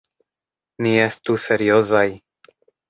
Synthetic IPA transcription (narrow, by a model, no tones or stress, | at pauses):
niest̪useɾiozaj